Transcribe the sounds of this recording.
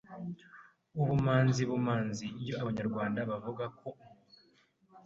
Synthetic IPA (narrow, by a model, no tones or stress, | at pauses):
uβumaːnziβumaːnzijo̞aβaɲaɾɡwaːndaβavuɡako̞